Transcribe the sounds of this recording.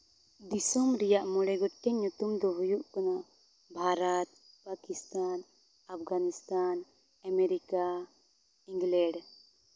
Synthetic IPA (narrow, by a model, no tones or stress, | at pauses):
d̪isɔmɾɛjaʔmɔɽɛɡɔʈːɛɲut̪umd̪ɔɦujuʔkana | bʱaɾat̪̚ | pakist̪an | ap̚ʰɡanist̪an | amɛɾika | ĩŋɡlɛɖ